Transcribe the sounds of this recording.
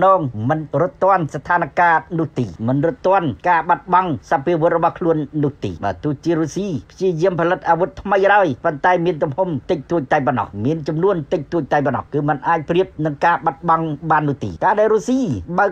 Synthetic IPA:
nɔːŋmɨnrʊt̪ːŏənsat̪ʰaːnakaːnʊ̆əht̪iːmɨnrʊt̪ːŏənkaːɓat̪̚ɓɑŋsapiəʋŏət̪̚rɔɓɑhkʰluənːʊ̆əht̪ḭːɓa̰ːt̪ʊ̆əht͡ɕiəɾusiːpʰjiəjiəmpʰalɨt̪̚ʔaːʋut̪ʰːməjraəjpont̪aɛmiənt̪umhomt̪ɨc̚t̪uəc̚t̪aɛp̬ɔnɑ̰hmiənt͡ɕɑmnuənt̪ɨc̚t̪uəc̚t̪aɛpɔnɑ̰hkɨːmɨnʔaːc̚priəp̚nɨŋkaːɓat̪̚ɓɑŋɓaːnːŭəht̪ḭːkaːɗaɛɾusiːɓaək

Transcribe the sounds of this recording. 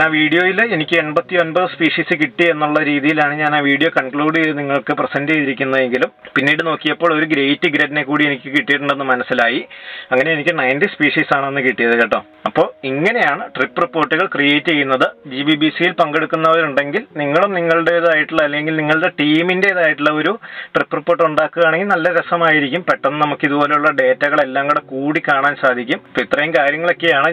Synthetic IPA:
aːʋiːɽijo̞ːjilenikʲːɨe̞ɳbɐt̪ːio̞nbɐðɨspiːʂiːsɨkiʈːie̞nːuɭːɐɾiːðijilaːɳɨɲaːnaːʋiːɽijo̞ːkɐɳkɭuːɽɨeniŋːɐɭkɨprɐsɐndt͡ɕe̞jðiɾikʲːunːɐðe̞ŋɡilumpinːiːɽɨno̞ːkːijɐpːoːɭo̞ɾuɡɾejtːɨɡɾɐdinekːuːɽie̞nikʲːɨkiʈːijʈːuɳɖe̞nːɨmɐnɐsːilaːjiɐŋːɐne̞enikʲːɨnɐjntispiːʂiːsaːɳɨenːɨkiʈːijɐðɨkɐʈːɐm | ɐpːo̞ːɭiŋːɐne̞jaːɳɨʈripːɨripːo̞ːʈːuɣɐɭkrijeːtːɨt͡ɕe̞jːunːɐðɨd͡ʑibibiːsijilpɐŋɡe̞ɽukːunːɐɐðɐɾuɳɖe̞ŋɡilniŋːɐɭumniŋːɐɭɨɽe̞iðaːjiʈːuɭːɐlːeŋɡilniŋːɐɭɨɽe̞ʈiːmindeiðaːjiʈːuɭːɐo̞ɾuʈripːɨripːo̞ːʈ̬ːuɳɖaːkːɨɣaːɳeŋɡilnɐlːɐɾesɐmaːjiɾikʲːumpeʈːɐnːɨnɐmukːiðupo̞ːleuɭːɐɖe̞ːtːɐɣɐɭe̞lːaːŋɡuɽekuːɽikaːɳaːnsaːd̪ʱikʲːumpit̪ːrɐjumkaːɾjɐŋːɐɭo̞kːe̞jaːɳɨ

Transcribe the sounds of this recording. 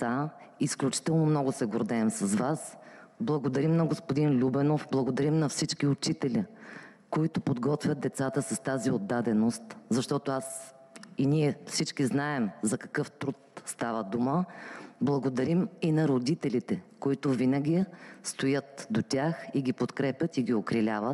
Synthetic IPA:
aisklʲut͡ʃi̥t̪ɛlˠnomnɔɡʊsɛɡoɾd̪ɛːmsɐzvas | blˠɐɡod̪ɐɾimnɐɡospod̪inlʲubɛnofblˠɐɡod̪ɐɾimnɐfsit͡ʃkiʊt͡ʃit̪ɛlʲi | koit̪ʊpod̪ɡɔt̪vʲjət̪̚d̪ɛt̪sat̪əsɐst̪aziod̪ːad̪ɛnost̪zɐʃt̪ɔt̪oas | iniɛfsit͡ʃkiznaɛmzɐkɐ̥kɤft̪ɾut̪st̪avəd̪uməblˠɐɡod̪ɐɾiminɐɾod̪it̪ɛlʲit̪ɛkoit̪ʊvinəɡʲist̪ojɤt̪d̪ot̪ʲaxiɡʲipot̪kɾɛpʲjət̪iɡʲiokɾilʲavət̪

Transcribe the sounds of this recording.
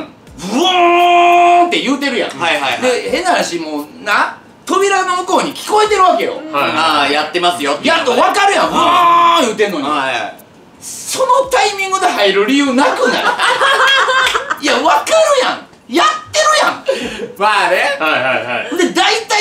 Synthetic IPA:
bɯ | t̪e̞jɯ̟ːt̪e̞ɾɯ̟jã̰hajɦajd̪ehe̞naɾaɕimoːna | t̪o̞bʲiɾanomɯ̟ko̞ːɲ̟ikʲi̥ko̞et̪e̞ɾɯ̟βake̞jo̰haaːjat̪ːe̞masɨjot̪ːjat̪ːoβakaɾɯ̟jãɯjɯ̟ːt̪ẽ̞nːoɲi | so̞no̞t̪aimʲĩŋɡɯ̟d̪eɦaiɾɯ̟ɾʲijɯ̟ːnakɯ̟na̰ | jaβakaɾɯ̟jã̰ŋ | jat̪ːe̞ɾɯ̟jãŋmaɾehahajhajd̪e̞d̪ait̪a

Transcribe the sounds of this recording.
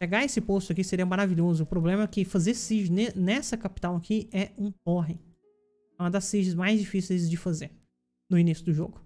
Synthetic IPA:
ʃeɡaesɪpost̪ʊɐkiseɾiɐmaɾaviʎozʊʊpɾoblẽmɐɛkɪfazeɾsiʒʊnenɛsɐkapi̥t̪ɐ̃w̃ɐkiɛũhoɦẽ | ɛũmɐd̪ɐsːiʒɪzmajzd͡ʒifisejzd͡ʒɪfazeɾ | nʊinisjʊd̪ʊʒoɡʊ

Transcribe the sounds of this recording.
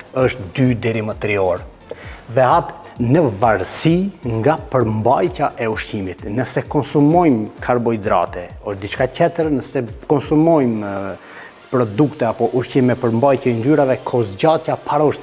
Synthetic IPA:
əʃt̪d̪yd̪ɛɾimət̪ɾiɔɾ | ðɛat̪ | nəvaɾsiŋɡapəɾmbajt̪jaʔɛuʃcimit̪nəsɛkɔnsumɔjmkʰaɾbɔjd̪ɾa̰t̪ɛɔʃd̪it͡ʃkacɛt̪əɾnəsɛkɔnsumɔjm | pɾɔd̪ukt̪ɛapɔʔuʃcimɛpəɾmbajcjɛind̪yɾavɛkʰɔsɟat̪japaɾauʃ

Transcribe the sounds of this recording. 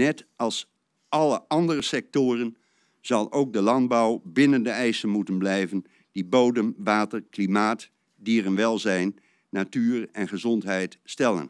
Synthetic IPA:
nɛtɑlˠs | ɑlˠəʔɑndərəsɛk̚toːrən | z̥ɑlˠowk̚dəlɑndbɑwbɪnəndəɛjsənmutənblɛjvən | d̥ibowdəmʋaːtərklimaːt | diːrənʋɛlˠzɛjnː | atyːrɛnχəzɔntɦɛjtstɛlˠə̰n

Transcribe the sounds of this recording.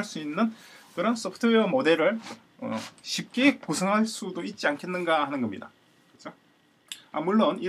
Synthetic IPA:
aɭs͈uinːɯnkɯɾʌns͈ʌpʰɯtʰɯeʌmode̞ɾɯɭ | ʌ̰ɕʰip̚k͈ekosʰʌŋɦaɭs͈udoit̚t͡ɕ͈iankʰe̞nːɯnɡahanɯnɡʌmɲḭda̰ | kɯt͡ɕʰo | a̰muɭːoni

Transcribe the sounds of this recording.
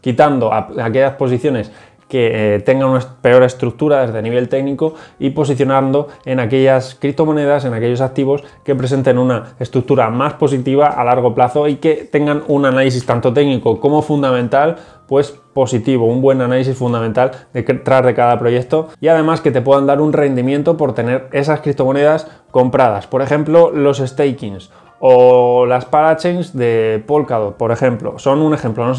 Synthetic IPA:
kit̪and̪o̞a̰ake̞ʎaspo̞s̬iθjo̞ne̞s | ke̞t̪e̞ŋɡanunape̞o̞ɾe̞st̪ɾuk̚t̪uɾaðe̞zðe̞niβ̞e̞lt̪e̞ɡniko̞ipo̞siθjo̞naɾnd̪o̞e̞nake̞ʎaskɾip̚t̪o̞mõ̞ne̞ð̞ase̞nake̞ʎo̞sak̚t̪iβ̞o̞ske̞pɾe̞se̞nt̪e̞nunaest̪ɾuk̚t̪uɾamaspo̞sit̪iβ̞aʔalaɾɣ̞o̞plaθo̞ike̞t̪e̞ŋɡanunanalis̬ist̪ant̪o̞t̪e̞ɡnikoko̞mo̞fund̪amẽnt̪al | pwe̞spo̞sit̪iβ̞o̞umbwe̞nanalis̬isfund̪amẽ̞nt̪ald̪et̪ɾazðe̞kaðapɾo̞je̞k̚t̪o̞iað̞e̞maske̞t̪e̞p̬we̞ðand̪aɾunre̞nd̪imje̞nt̪opo̞ɾt̪e̞ne̞ɾe̞saskɾip̚t̪o̞mo̞ne̞ð̞as | ko̞mpɾað̞aspo̞ɾexe̞mplo̞lo̞se̞st̪ejkins | o̞laspalat͡ʃejnzðe̞polkaðopo̞ɾe̞xe̞mplo̞̰so̞nune̞xe̞mplo̞no

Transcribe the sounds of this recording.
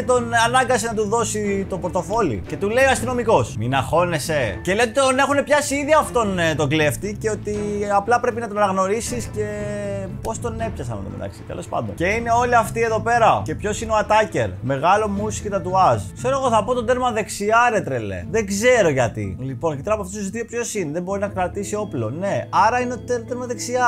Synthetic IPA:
t̪o̞nɐnɐɡɐsinɐt̪uðo̞sit̪o̞poot̪o̞fo̞lḭce̞t̪ule̞ioɐst̪ino̞miko̞sminɐxo̞ne̞seceleot̪it̪one̞xune̞pçɐsiiðiɐft̪o̞nt̪oɡle̞ft̪iceo̞t̪iɐplɐpɾe̞pinɐt̪onɐnɐɣno̞ɾisisce̞po̞st̪o̞ne̞pçɐsɐnɐ̰t̪omḛt̪ɐ̰ksi̥t̪ḛlo̞spɐ̰nd̪once̞ine̞o̞liɐft̪ie̞ðo̞pe̞ɾɐce̞pço̞sineo̞at̪ɐce̞ɾme̞ɣɐlo̞musi̥cet̪ɐt̪uɐzkse̞ɾoɣo̞θɐpo̞t̪ond̪e̞ɾmɐðe̞ksiɐɾe̞t̪ɾelḛðeɡze̞ɾo̞ʝɐt̪ḭlipo̞nɐcit̪eɾɐpɐft̪osuzt̪iopço̞sineðembo̞ɾinɐkɾɐt̪isio̞plo̞̰ne̞ɐɾɐineot̪ed̪eɾmɐðe̞ksiɐ

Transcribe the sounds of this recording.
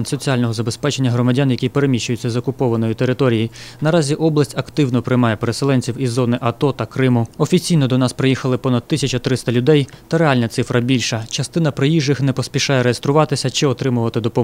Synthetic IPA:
nʲsɔt͡sʲialʲnɔɦɔzɐbe̞spɛt͡ʃenʲːɐɦɾɔmɐdʲanjɐkʲipeɾemʲiʃʊjʊt͡sʲːɐzɔkʊpɔʋɐnɔjʊt̪e̞ɾɪt̪ɔɾʲijijnɐɾɑzʲiʔɔblˠɐsʲtʲɐkt̪ɪwnɔpɾɪjmɑjɛpeɾeselˠɛnʲt͡sʲiwizːɔnɪʔɐt̪ɔt̪ɐkɾɪmʊɔfʲit͡sʲijnɔd̪ɔnɑspɾɪjixɐlˠɪpɔnɐd̪̚t̪ːɪsʲɐt͡ʃɐt̪ɾɪst̪ɐlʲʊd̪ɛjt̪ɐɾeɑlʲnɐt̪sɪfɾʔɐbʲilʲʃɐt͡ʃɐst̪ɪn̪ɐpɾɪjiʒɪxnɛpɔsʲpʲiʃɑjɛɾejest̪ɾʊʋɑt̪ɪsʲɐt͡ʃɪɔt̪ɾɪmʊʋɐt̪ɪd̪ɔpɔ

